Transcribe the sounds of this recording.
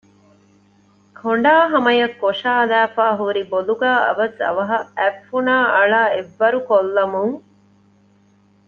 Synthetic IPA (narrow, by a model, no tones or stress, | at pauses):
kʰoɳ̆ɖaːɦɐmɐjɐkːoʃaːlæːfaːɦuɾiboluɡæːɐ̰ʋɐsɐ̰ʋɐɦɐæfːunaːʔɐɭaːeʋːɐɾukolːɐmuŋ